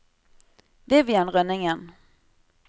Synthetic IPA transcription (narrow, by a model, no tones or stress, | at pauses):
vɪvjanʁœnːɪŋən